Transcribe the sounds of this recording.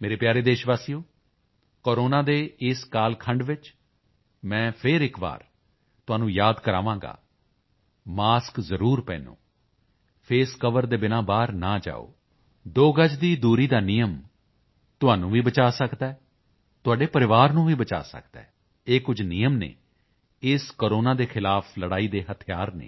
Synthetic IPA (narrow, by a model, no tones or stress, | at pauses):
meːɾeːpjaːɾeːd̪eːʃʋaːsiːoː | koːɾoːnãːd̪eːɪskaːlkʰəɳɖʋɪt͡ʃ | mɛ̃ːpʰɪɾɪkba̰ːɾ | t̪ʊɦãːnũːjaːd̪kəɾa̰ːʋãːŋɡa̰ː | maːskzəɾuːɾpɛ̰̃ːnṵ̃ː | pʰeːskəʋəɾd̪eːbɪnãːbaːɾnaːd͡ʒa̰ːo̰ː | d̪oːɡəd͡ʒd̪iːd̪uːɾiːd̪aːnɪjəm | t̪ʊaːnũːʋiːbət͡ʃaːsəkd̪aːɛ | t̪ʊaːɖeːpəɾɪʋaːɾnũːʋiːbət͡ʃa̰ːsə̰kd̪a̰ɛ | eːkʊd͡ʒnɪjəmnḛː | ɪskoːɾoːnãːd̪eːxʰɪlaːpʰləɽaːiːd̪eːɦət̪ʰɪjaːɾnḛ̃ː